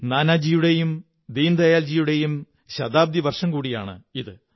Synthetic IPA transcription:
naːnaːd͡ʑijuɽejum | d̪ejnd̪ɐjaːld͡ʑijuɽe̞jum | ɕɐd̪aːb̚d̪iʋɐrʂɐmkuːɽija̰ːɳɨ̰iðɨ

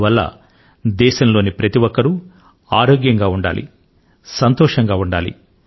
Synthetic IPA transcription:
ʋɐlːɐ̰ | d̪ɛːʃɐmlo̞ːnipɾɐt̪iʋɔkːɐɾu | aːɾoːɡjɐŋɡaːuɳɖa̰ːlḭ | sɐnt̪ɔːʂɐŋɡaːuɳɖaːlḭ

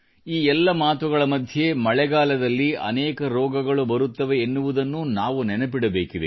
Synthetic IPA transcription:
iːɛlːɐmaːt̪uɡɐɭɐmɐd̪ʱje̞mɐɭɛɡaːlɐd̪ɐlːiɐ̰neːkɐɾɔːɡɐɡɐɭubɐɾut̪ːɐʋe̞ːnːuʋud̪ɐnːunaːʋunɛnɐpiɽɐbe̞ːkid̪ḛ

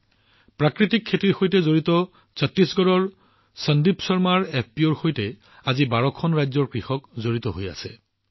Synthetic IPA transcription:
pɹakɹitikʰːetiɹxojtɛzoɹitɔ | sətːisɡɔɹɔɹ | səndipsɔɹmaɹɛpʰpioɹxojtɛ | azibaɹɔkʰːɔnɹajzɔɹkɹixɔkzoɹitɔɦoja̰sɛ̰

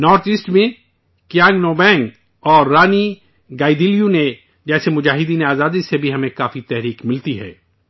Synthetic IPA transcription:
nɔːɾt̪ʰisʈmẽ | kjãːŋɡnoːbɛ̃ːŋɡ | ɔːɾːaːni | ɡaːid̪iːlijune | d͡ʒɛːsemʊd͡ʒaːɦɪd̪iːneaːzaːd̪isebʱiɦɐmẽkaːfit̪ɛɦɾiːkmɪlt̪iɦɛ̰ː

